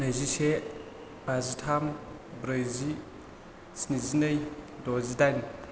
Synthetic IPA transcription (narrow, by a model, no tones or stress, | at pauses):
nəjzise | bazitʰam | bɾəjzi | sinizinəjdozidajn